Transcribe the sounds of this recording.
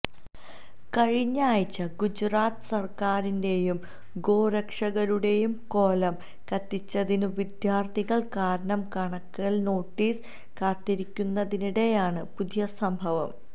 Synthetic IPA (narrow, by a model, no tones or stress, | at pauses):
kɐɻiɲːaːjt͡ɕːɐɡud͡ʑraːt̪ɨ̥sɐrkaːɾinde̞jum | ɡo̞ːɾɐkʂɐɣɐɾuɽe̞jumko̞ːlɐm | kɐt̪ːit͡ɕːɐðinuʋid̪jaːrt̪iɣɐɭkaːɾɐɳɐmkɐɳɐkːɐɭno̞ːʈːiːs | kaːt̪ːiɾikʲːunːɐðiniɽe̞jaːɳɨpud̪ijɐsɐmbʱɐʋɐ̰m